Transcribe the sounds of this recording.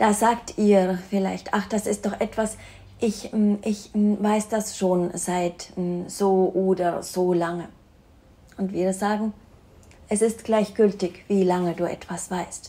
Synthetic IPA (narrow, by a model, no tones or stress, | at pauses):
d̥aːzaːktʔiːfɪla̰ɪçtʔa̰χd̥asɪst̚d̥ɔχʔɛtv̥as | ʔɪçʔɪçvaɪsd̥asʃoːnzaɪtz̥oːʔoːdɐz̥oːlaŋə | ʔʊntv̥iːʁzaːɡŋ̩ | ʔɛsɪstɡ̥laɪçɡ̥ʏltɪçv̥iːlaŋəduːʔɛ̰tv̥asv̥aɪst